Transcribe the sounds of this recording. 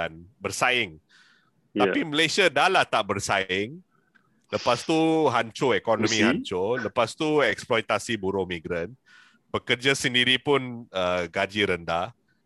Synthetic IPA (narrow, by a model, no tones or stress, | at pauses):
danbərsaɪŋ | t̪apiməlajsiadalaht̪aʔbərsaɪŋ | ləpast̪uɦaɲt͡ʃoɛkɔnɔmĩhaɲt͡ʃoləpast̪uɛksplɔjt̪asibuɾomiɡɾan | b̥əkərd͡ʒasəndiɾipʊnəɡad͡ʒiɾənda